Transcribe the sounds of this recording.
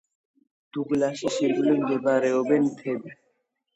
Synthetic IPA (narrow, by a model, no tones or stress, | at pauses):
t̪uklaʃiʃiɾɡulend̪ebaɾeobent̪ʰebe